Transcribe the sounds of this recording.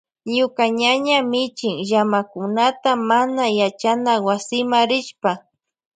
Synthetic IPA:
ɲʊkaɲaɲamɪt͡ʃɪŋʒamakʊnat̪amanajat͡ʃanawasɪmaɾɪʃpa

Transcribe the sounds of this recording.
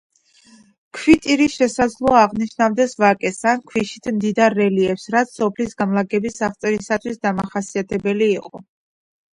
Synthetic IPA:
kʰwit̪ʼiɾisʃɛsad̪zlˠɔaːʁniʃnavd̪ɛsvakʼɛsankʰwiʃit̪ʰmd̪id̪aɾːɛliɛpsɾat̪sʰsɔpʰlisɡamlˠaɡɛbisaχt̪sʼɛɾisat̪ʰwisd̪amaχasiat̪ʰɛbɛliːqʼɔ

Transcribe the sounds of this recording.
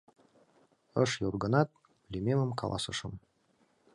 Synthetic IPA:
ɤ̰ʃjorɡɤ̆nɑt̪̚ | lʲemʲeməmkʰɑ̰lˠɑ̰sɤ̰ʃɤm

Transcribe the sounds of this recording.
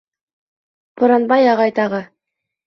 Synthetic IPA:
pŏɾɑnbɑjɑʁɑjt̪ɑʁɤ

